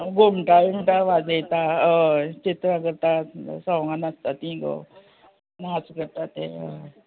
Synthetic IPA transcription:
ɡomʈajim̤ʈaʋad͡zəjt̪aət͡ɕet̪ɾãkəɾt̪at̪sɔʋŋɡanast̪at̪ĩɡo̰ | ənɦat͡skəɾt̪at̪ḛə

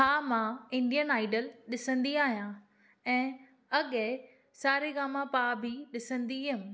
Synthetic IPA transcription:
ɦaːmãɪ̃ɳɖijənaːɪɖəlɗɪsə̃nd̪iaːɦijã | ɛ̃ː | ɐɠ | saːɾeɡaːmãpaːbʱɪɗɪsə̃nd̪iɦʊm

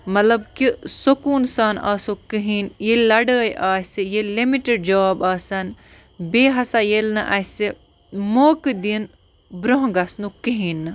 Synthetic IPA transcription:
mɐt̪lɐbkisokuːnsaːna̰ːsokiɦinjelɐɖəːjʔaːsijelimiʈeɖ̚d͡ʒɐaːbaːsɐn | beːɦɐsajelnɨʔɐsi | moːkɨd̪in | bɾoɦɡɐsnukiɦiːnːɨ

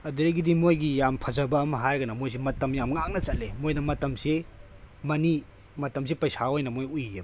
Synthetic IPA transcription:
ɐduɾeɡidimojɡijampʰɐzɐbɐːmɐɦajɾɡɐnɐmojs̬imɐtɐmjamŋaŋnɐt͡ʃɐlːemojnɐmɐtɐmse | mɐni | mɐtɐms̬ipɐjsaojnɐmojujːe

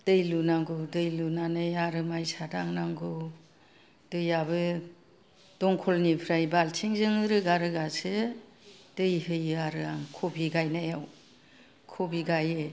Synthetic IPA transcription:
d̥ɯjlunaŋɡɯdɯjlunanɯjaɾɯmajsadaŋnaŋɡɯ | d̥ɯjaβɯ | d̥ɔŋkʰɔlnipʰɾajbaltʰiŋzɯŋɯɾɯɡaɾɯɡasɯ | d̥ɯjɦɯjaɾɯaŋkʰobiɡajnajaw | kʰobiɡajɯ

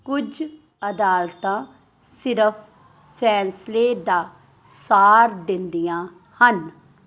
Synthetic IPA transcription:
kʊd͡ʒ | əd̪aːlt̪ãː | sɪɾəpʰ | pʰːɛːnsleːd̪aː | saːɾd̪ɪnd̪ijãː | hən

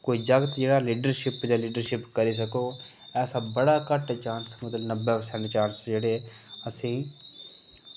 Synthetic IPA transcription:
koːiːd͡ʒəɡət̪d͡ʒeːɽaːliːɖəɾʃɪpd͡ʒãːliːɖəɾʃɪpkəɾiːs̬əkoː | ɛːsaːbəɽaːkəʈt͡ʃãːnsmət̪lnəbeːpəsɛ̃ɳʈt͡ʃaːɾsd͡ʒeːɽeː | əsĩː

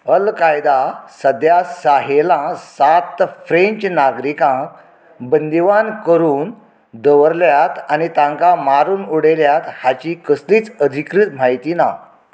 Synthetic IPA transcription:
əlkajd̪asəd̪jasaɦelãsat̪fɾẽɲt͡ɕnaɡɾikãk | bənd̪iʋankəɾuːn | d̪əʋəɾljat̪anit̪ãŋkamaɾuːnuɽeljat̪hat͡ɕikəsliːt͡səd̪ʱikɾit̪m̤ajt̪iːna̰

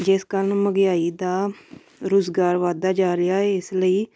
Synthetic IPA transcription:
d͡ʒɪskəlməɡɪjaːiːd̪aː | ɾoːzɡaːɾʋaːd̪aːd͡ʒaːɾɪjaːɛɪsləiː

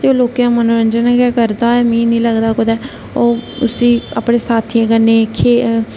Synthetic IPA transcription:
t̪eːoːloːkejãːmənoːɾə̃nd͡ʒənãkɛːkəɾd̪aːɛmĩːnĩːləɡd̪aːkod̪ɛː | oːʊsiːa̰ːpɽẽːsaːt̪ʰiẽːkənːẽːkʰeː

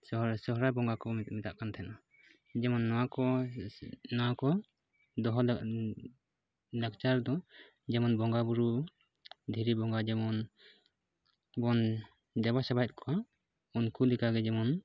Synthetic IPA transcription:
sɔɦɾabɔŋɡakɔmɛt̪mɛt̪aʔkant̪ʰɛna | d͡ʒɛmɔnːɔwakɔ | nɔwakɔ | d̪ɔɦɔ | lakt͡ʃaɾd̪ɔ | d͡ʒɛmɔnbɔŋɡabuɾu | d̪ʱiɾibɔŋɡad͡ʒɛmɔn | bɔn | d̪ɛbasɛbajt̪̚kʰɔa | unkulikaɡɛd͡ʒɛmɔn

